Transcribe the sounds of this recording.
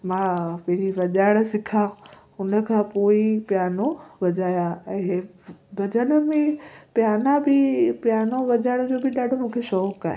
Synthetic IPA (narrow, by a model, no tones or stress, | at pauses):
mãpɪɽiʋɐʄaːɽ̃̆sɪkʰã | ʊnə̆kʰãːpoːipjaːnoʋɐd͡ʑaːjãɛ̃ː | bʱɐd͡ʑənə̆mẽpjaːnãbɪpjaːnoʋɐʄaːɽ̃d͡ʑoːbʱɪɗaːɖʱomũːkʰeʃɔːka̰ːɦe